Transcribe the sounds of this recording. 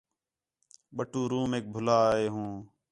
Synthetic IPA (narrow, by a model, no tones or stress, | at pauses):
ɓəʈuːɾuːmeːk̚bʱʊlaːeːɦũː